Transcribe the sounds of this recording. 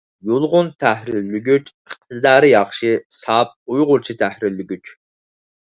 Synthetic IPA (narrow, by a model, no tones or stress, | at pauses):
jolˠʁʊnt̪ʰæhɾɪɾlyɡʲyt͡ʃəχ̚t̪ʰɨd̪ɑːɾɨjɑχʃɨsɑp̚ujʁʊɾt͡ʃʰit̪ʰæhɾɪɾːɪɡʲyt͡ʃ